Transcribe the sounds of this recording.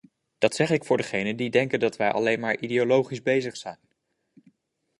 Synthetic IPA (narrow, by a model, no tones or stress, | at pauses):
d̥ɑtsɛχɪkfʊːɹdəχejnəndidɛŋkəndɑtʋɛjʔɑ̰lejnmaːɹʔideolowχizbejzəχsɛjn